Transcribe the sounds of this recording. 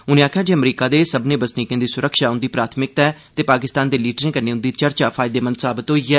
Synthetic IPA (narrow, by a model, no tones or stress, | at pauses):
ʊnẽːaːkʰjaːd͡ʒeːəmɾiːkaːd̪eːsəbnẽːbəsniːkjẽːd̪iːsʊɾəkʰʃaːʊ̃nd̪iːpɾaːt̪ʰmɪk̚t̪ɛːt̪eːpaːkɪst̪aːnd̪eːliːʈɾɪ̃ŋkənẽːʊ̃nd̪iːt͡ʃəɾt͡ʃaːpʰaːjɪd̪eːmə̃nd̪saːbɪt̪ɦoːiːɛː